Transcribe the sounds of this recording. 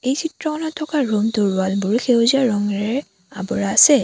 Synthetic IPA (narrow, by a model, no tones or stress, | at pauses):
ejsʰitɹɔkɔnɔtʰːɔkaɹumtʊɹwalbʊɹxewziaɹɔŋɹɛɹ | abɔɹaːsɛ